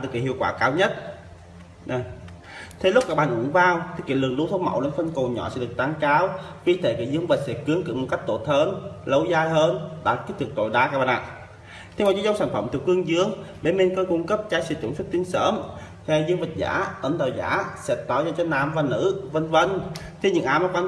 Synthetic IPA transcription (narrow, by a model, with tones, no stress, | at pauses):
a˨˩ɗɨ˨˩k̚ːi˨˩hḭ˧˩əwkwaː˧˩kaː˧˦wɲə˦˥t̚ | t̪ʰe˨˦lʊ˦˥k͡p̚aː˨˧˩hŋɨ̰˨˧˦ŋvaː˧wt̪ʰɨ˨˩kḭ˧˨lɨ̰˨˩əŋɗu˧˦t̪ʰo˧˦wmə̰˧˩wle˨˧˦nfə˧nko˨˩ɲɔ̰˧˨sɛ̰˧˥ɗɨ˨˩ək̚t̪aː˨˧˦ŋkaː˨˦wki˧˦t̪ʰe˧˩kḭ˧˩˦zɨ˧˦əŋvə˨˩sɛ̰˧˥kɨ˨˦əŋkɨ̰˨˧˦mo˨˩t̚ka˦˥k̚t̪o˧˩t̪ʰəː˧nlə˨˧˦wzaː˧jɦəː˧nɗa̰ː˧˩ki˦˥t̚t̪ɨ˨˩k̚t̪o̰˧˨jɗaː˨˧kaː˧˩ɓa˧˩nʔa̰˧˨ | t̪ʰe˧˩mɔ˨˩t͡ɕi˨˦zə˧wŋ͡msaː˧˩nfə˧˩mt̪ʰɨ˨˧˩k̚hɨ˧əŋzɨ˨˧˦əŋɓe˧˩me˧nkɔ˧˦kʊ˧ŋ͡mkə˦˥p̚t͡ɕaː˧˦jsɛ̰˧˩t͡ɕŋ͡msu˦˥t̚t̪i˧əŋsəː˧˥m | t̪ʰɛ˧˩zɨ˧əŋvə˨˩t̚za̰ː˧˥ʔə˧˩nɗ̪ə˨˩wza̰ː˧˥sɛ̰˧˥t̪ɔ˧˩zaː˧t͡ɕɔ˧˦naː˨˩mvaː˨˩nɨ̰˧˥və˧nvə˧n | t̪ʰi˧ɲɨ̰˧˩ŋʔaː˨˦maː˨˧˩ka˧n